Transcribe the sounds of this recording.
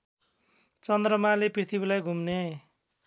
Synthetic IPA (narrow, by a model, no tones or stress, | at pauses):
t͡sʌnd̪rʌmaleprit̪ʰibilajɡʱumne